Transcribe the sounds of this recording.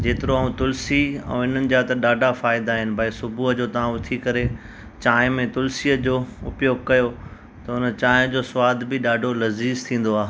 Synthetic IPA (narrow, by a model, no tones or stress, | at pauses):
d͡ʑeːt̪ɪɾoaːũt̪ʊlsiɛ̰̃ːɪn̤ənɪ̆d͡ʑat̪ɐɗaːɖʱafaːɪd̪aːɦɪnɪ̆bʱaesʊbʱuːɦəd͡ʑoːt̪ɐʋ̤ãʊt̪ʰikɐɾe | t͡ɕaːɪ̃mẽt̪ʊlsiːəd͡ʑoːʊ̰pjoːɡkɐjo | t̪ɐʊnə̆t͡ɕaːɪ̃d͡ʑoːswaːd̪bɪɗaːɖʱolɐziːzt̪ʰĩːn̆d̪oaːɦe